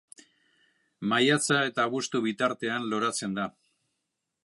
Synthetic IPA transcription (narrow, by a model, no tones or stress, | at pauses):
majat͡sae̞t̪aβust̪uβit̪aɾt̪e̞anlo̞ɾat͡se̞nd̪a